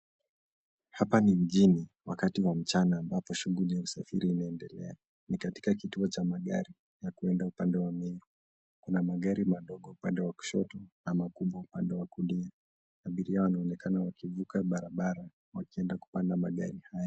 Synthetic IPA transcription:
hapanim̩ʄiniwakatiwam̩t͡ʃanaːmbapɔʃuɣulijausafiɾiːnaɛndɛlɛ̰a | nikati̥kakituɔt͡ʃamaɠa̰ɾi | jakuɛndaupandɛwamiɾu | kunamaɠaɾimaɗɔɠɔupandɛwaku̥ʃɔtɔnamakuɓwaupandɛwakulia | aɓiɾiawanaɔnɛkanawakivukaɓaɾaɓaɾa | wakiɛndaku̥pandamaɠa̰ɾihaja

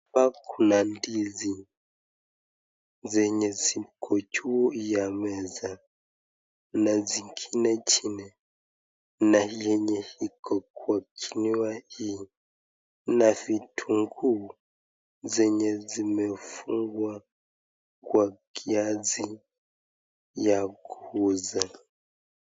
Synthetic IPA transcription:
pakʰunandizi | zɛɲɛzikʰɔt͡ʃujamɛza | naziŋɡinɛt͡ʃinɛ | najɛɲɛhikʰɔkwakʰiniwai | navitʰuŋɡu | zɛɲɛzimɛfuŋɡwa | kwakʰiazi | jakuuza

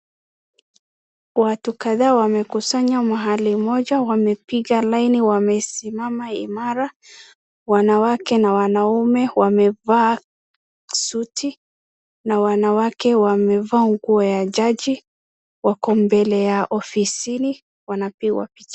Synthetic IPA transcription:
watukaðaːwamɛkusaɲamaɦalimɔʄawamɛpiɣalainiwamɛsimamaḭmaɾa | wanawakɛnawanaumɛwamɛva | sutʰi | nawanawakɛwamɛvaːŋɡuɔjaʄaʄi | wakɔmbɛlɛjaʔɔfisini | wanapiɡwa̰pit͡ʃa

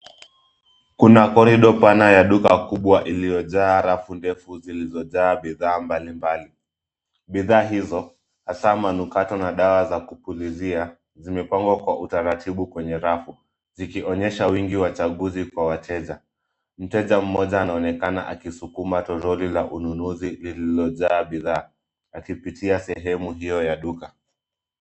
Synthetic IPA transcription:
kunakɔɾiɗɔpanajaɗukakuɓwaʔilijɔʄaːɾafundɛfuzilizɔʄaːɓiðaːmbalimbali | ɓiðaːɦizɔ | hasamanukatɔnaɗawazakupulizia | zimɛpaŋɡwakwaʔutaɾatʰiɓukwɛɲɛɾafu | zikiʔɔɲɛʃawiŋɡiwat͡ʃaɠuzikwawatʰɛʄa | m̩tɛʄam̩mɔʄaːnaɔnɛkanaʔakisukumatɔɾɔlilaʔununuzilililɔʄaːɓiðaː | akipitʰiasɛɦɛmuɦijɔjaɗuka

